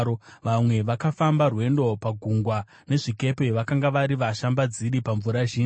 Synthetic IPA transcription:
oʋamwe̞ʋakafambarwe̞ndo̞paɡʱuŋɡwa | ne̞ʐike̞pe̞ʋakaŋɡaʋaɾiʋaʃambad͡ziɾipaɱvuɾaʒiː

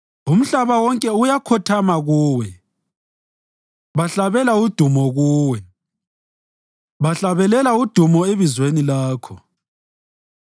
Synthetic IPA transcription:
um̩ɬaβawɔŋkʼɛujakʰɔtʰamaɣuːwɛ | βaɬaβɛlaud̥ʱumɔɣuːwɛ | βaɬaβɛlɛlaud̥ʱumɔeβizwenilaːkʰɔ̰

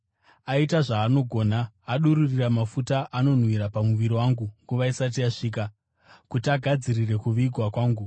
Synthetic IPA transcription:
aitaʐaːno̞ɡʱo̞ːnaː | ɗuɾuriramafutaʔano̞n̤wiɾapamuʋiɾiwaŋɡuŋɡuʋaisat̬ijaʂiːk̬a | kutiaɡʱad͡zirire̞kuʋiɡʱwakwaːŋɡu

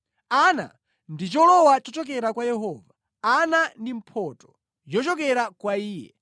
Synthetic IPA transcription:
ana̰ | ndit͡ʃɔlɔwat͡ʃɔt͡ʃɔk̬ɛɾakwajɛɦɔːva | anandim̩pʰɔːtɔ̥ | d͡ʒɔt͡ʃɔk̬ɛɾakwaiːjɛ

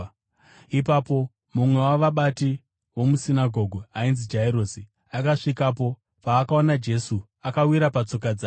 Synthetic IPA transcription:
ipapo | mumwe̞waʋaɓati | wo̞musinaɡʱo̞ɡʱoainzid͡ʒaiɾosi | akaʂikap̬o̞ | paːkaonad͡ʒe̞su | akawiɾapat͡so̞k̬ad͡zaː

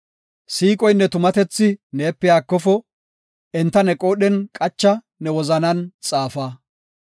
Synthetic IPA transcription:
siːkʼɔjnːɛt̪ʊmɐt̪ɛt͡sːɪne̞ːpːɛjaːkːɔfɔ | ɛnt̪ːɐnɛkʼoːɗɛnkʼɐt͡ʃːɐ | nɛwɔzɐnɐnt͡sʼaːfaː

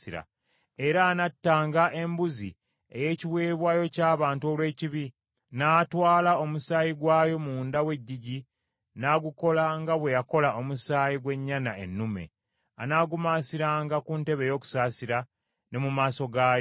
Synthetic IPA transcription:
iɾa̰ | e̞ɾaːnatːaːŋɡaʔe̞mbuzḭ | e̞̰je̞ːciwe̞ːβwaːjo̞caːβaːntuo̞lwe̞ːciβi | naːtwaːlao̞musaːjiɡwaːjo̞muːndawe̞ɟːiɟi | naːɡuko̞laŋɡaβwe̞jako̞lao̞musaːjiɡwe̞ɲːanae̞nːume̞̰ | anaːɡumaːsiɾaːŋɡakunte̞βe̞jo̞ːku̥saːsiɾa | ne̞mumaːso̞ɡaːjo

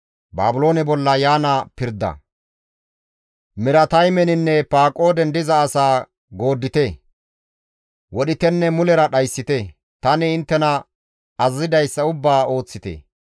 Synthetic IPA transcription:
ba̰ːbʊlo̞ːnɛbɔlːɐjaːnɐpɪɾd̪ɐ̰ | mɪɾɐt̪ɐjmɛnɪnːɛpaːkʼo̞ːd̪ɛnd̪ɪzɐːsaː | ɡo̞ːd̪ːɪt̪ɛ | wɔɗɪt̪ɛnːɛmʊlɛɾɐɗɐjsːɪt̪ɛ | t̪ɐnɪːnt̪ːɛnɐ | ɐzzɪd̪ɐjsːɐʊbːaːo̞ːt͡sːɪt̪ḛː

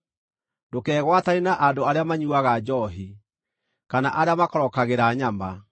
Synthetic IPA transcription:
dokɛːɣwatanenaʔadoaɾeamaɲuaɣad͡ʒɔɦi | kanaʔaɾeamakɔɾɔkaɣeɾaɲama

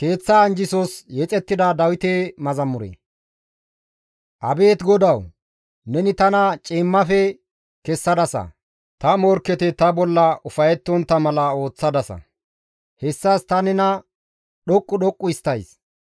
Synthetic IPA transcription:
ke̞ːt͡sːɐːnd͡ʒɪsosjɛt͡sʼɛt̪ːɪd̪ɐd̪ɐwɪt̪emɐzɐmːʊɾḛ | ʔɐbe̞ːt̪ɡɔd̪ɐw | nɛnɪt̪ɐnɐt͡ʃʼɪːmːɐfɛ | kɛsːɐd̪ɐsɐ̰ | t̪ɐmɔɾkːɛt̪ɛt̪ɐbɔlːɐʊfɐjɛt̪ːɔnt̪ːɐmɐlɐo̞ːt͡sːɐd̪ɐsɐ̰ | hɛsːɐst̪ɐnɛnɐ | ɗɔkʼːʊɗɔkʼːʊɪst̪ːɐjs

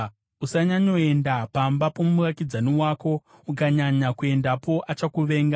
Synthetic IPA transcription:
usaɲaɲo̞e̞ndapambapo̞mumurakid͡zaniwaːko̞ | ukaɲaɲakue̞ndapo̞ʔat͡ʃakuʋe̞ːŋɡa

